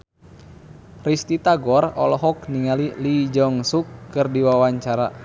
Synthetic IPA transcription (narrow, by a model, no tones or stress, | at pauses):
rist̪it̪aɡɔrɔ̰lɔɦɔk̚niŋalilid͡ʒɔŋsukːɨrdiwawaɲt͡ʃaɾa